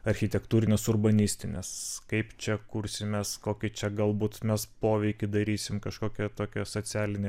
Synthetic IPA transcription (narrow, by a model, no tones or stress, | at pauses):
ɐɾʲxʲɪt̪ʲɛkt̪uːɾʲɪnʲesʊrbɐnʲɪsʲt̪ʲɪnʲḛskɐɪpt͡ʃʲɛkuɾʲsʲɪmʲɛskoːkʲɪt͡ʃʲɛɡɐlˠbuːt̪mʲɛspoːʋʲɛɪkʲɪd̪ɐɾʲiːsʲɪmkɐʃkoːkʲɛt̪oːkʲɛsoːt͡s̪ʲæːlʲɪnʲe